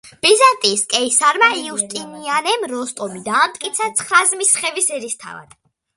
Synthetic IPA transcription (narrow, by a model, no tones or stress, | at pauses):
b̥izant̪ʼiskʼɛisaɾmaiust̪ʼinianɛmɾɔst̪ʼɔmid̪aːmt̪ʼkʼit̪sʰat̪sʰχɾazmisχɛvisɛɾist̪ʰa̰va̰d̪̥